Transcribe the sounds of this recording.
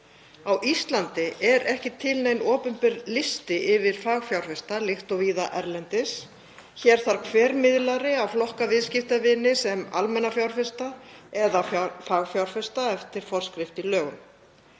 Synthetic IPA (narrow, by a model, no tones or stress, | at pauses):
awʔist̪lant̪ɪʔɛɾɛhcɪt̪ʰɪlnejnɔːpʏmpɪɾlɪst̪ɪʔɪvɪɾ̥faːɣfjawɾ̥fɛst̪alɪxt̪ɔviːðaʔɛɾlɛnt̪ɪs | çɛɾ̥θaɾ̥kʰvɛːɾmɪðlaɾɪawflɔhkavɪðscɪft̪avɪnɪsɛma̰lmɛnːafjawɾ̥fɪst̪aɛðafaːɣfjawɾ̥fɛst̪aɛft̪ɪɾ̥fɔr̥skɾɪft̪ilœːɣʏn